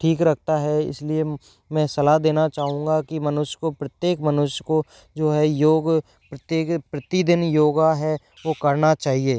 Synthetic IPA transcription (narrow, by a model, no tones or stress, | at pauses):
ʈʰiːkɾɐk̚ʰt̪aɦɛɪ̰slie | mɛ̃ːsɐlad̪eːnat͡ʃaːɦũːŋ̆ɡakimɐnʊʃjə̥kopɾət̪jeːkmɐnʊʃjəko | d͡ʒoːɦɛjoːɡ | pɾət̪eːkpɾət̪id̪ɪnjoːɡaɦɛ | ʋokɐɾnat͡ʃaːɦieː